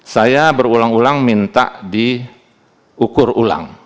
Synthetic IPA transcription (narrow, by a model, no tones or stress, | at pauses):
sajabərulaŋulaŋmint̪a̰ʔdi | ukʊrula̰ŋ